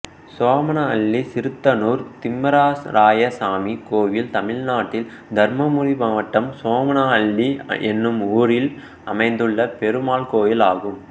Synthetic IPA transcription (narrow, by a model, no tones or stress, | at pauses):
soːmɐnɐɐɭːisɪɾɯt̪ːɐnuːɾt̪ɪmːɐɾaːsɾaːjɐsaːmikoːʋɪlt̪ɐmɪɻnaːʈːɪl | d̪ʱɐɾmɐmʊɻibɐːʋɐʈːɐmsoːmɐnaɐɭːiʔɛnːɯmuːɾɪl | ɐmɐɪnd̪ɯɭːɐpɛɾɯmaːlkoːjɪlaːɣɯm